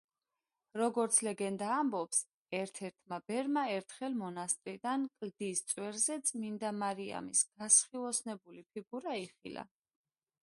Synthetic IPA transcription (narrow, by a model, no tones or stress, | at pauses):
ɾɔɡɔɾt̪sʰlɛɡɛnd̪aːmbɔps | ɛɾt̪ʰɛɾt̪ʰmabɛɾmaɛɾt̪ʰχɛlmɔnast̪ʼɾid̪ankʼld̪ist̪sʼwɛɾzɛt̪sʼmind̪amaɾia̰misɡ̥asχilˠɔsnɛbulipʰiɡuɾaiχḭla̰